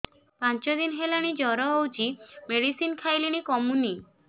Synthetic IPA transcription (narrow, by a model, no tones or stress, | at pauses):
pant͡ʃɔd̪inɦelaɽ̃id͡ʒɔɾɔowt͡ʃimeɽisinkʰajliɽ̃ikɔmuni